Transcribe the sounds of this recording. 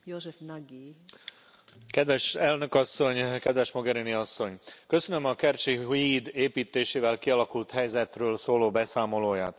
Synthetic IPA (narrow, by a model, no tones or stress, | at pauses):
joʒɛfnaɡi | kɛd̪ʋɛʃɛlnø̞kɒsːo̞ɲkɛd̪ʋɛʃmoɡɛɾiniɒsːo̞ɲkø̞sønømɒkɛrt͡ʃiɦid̪eːpiːt̪ːeːʃeːvɛlkiɒlɒkult̪hɛjzɛt̪røːlsoːloːbɛsaːmo̞loːja̰ːt̪